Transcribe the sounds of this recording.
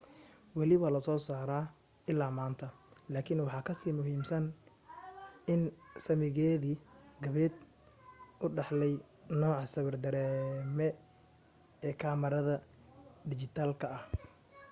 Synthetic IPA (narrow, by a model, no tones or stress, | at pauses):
wɑlɪβɐlɐsɔːsaːɾaː | ɪlːaːmaːnt̪ʰɐlaːkʰɪnwɑħɑːkʰɐsiːmʊɦiːmsɐn | ɪnsɐmɪɣɛːðiɡɐβɛːd̪̚ | ʊɖɑħlɛj | nɔːʕɑsɐβɐrd̪ɐɾɛːmɛ | ɛːkʰaːmɐɾɐðɐ | d̪ɪt͡ʃɪt̪ʰaːlkʰɐɐh